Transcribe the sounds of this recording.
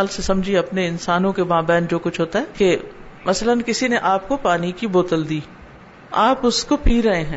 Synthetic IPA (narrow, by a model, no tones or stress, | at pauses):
lsesɐmd͡ʒʱieɐpneɪnsaːnõkebãːbɛ̃ːnd͡ʒoːkʊt͡ʃʰɦoːt̪aɦɛːkemɐslənkɪsineʔaːp̚kopaːnikiboːt̪əld̪iː | aːpʊskopiːɾɐɦeɦɛ̃ː